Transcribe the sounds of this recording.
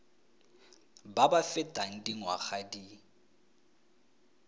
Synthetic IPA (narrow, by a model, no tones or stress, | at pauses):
babafɪtʼaŋ̩diŋwa̰χadi